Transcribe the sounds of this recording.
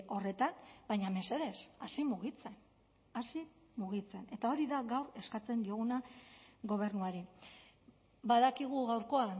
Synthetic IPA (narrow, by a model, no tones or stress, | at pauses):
o̞re̞t̪anbajɲame̞se̞ðe̞sasimuɣ̞it͡se̞n | asi | muɣit͡se̞ne̞t̪ao̞ɾiðaɣawre̞skat͡se̞nd̪io̞ɣ̞unaɣo̞β̞e̞ɾnuaɾi | baðakiɣ̞uɣawɾko̞a